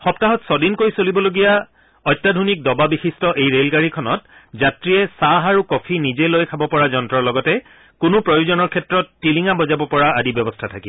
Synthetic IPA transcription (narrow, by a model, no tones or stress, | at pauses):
xɔp̚taɦɔtsɔdinkojsolibɔloɡija | ɔjtːadʱunik̚dɔbabixistɔʔejɹelɡaɹikʰɔnɔt̚zatɹiɛsaɦaɹukɔpʰinizɛlojkʰabɔpɔɹazɔntɹɔɹlɔɡɔtɛ | kʊnʊpɹɔjuzɔnɔɹkʰɛtɹɔtːiliŋabɔzabɔpɔɹaadibjɔbɔstʰatʰaki